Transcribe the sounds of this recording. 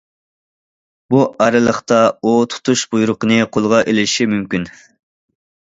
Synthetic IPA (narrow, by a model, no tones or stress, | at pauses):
buʔɑɾɨlˠəχt̪ɑot̪ʰu̥t̪ʰuʃbujuɾʊqənɨqʰolˠʁɑʔelɪʃimymkʲyn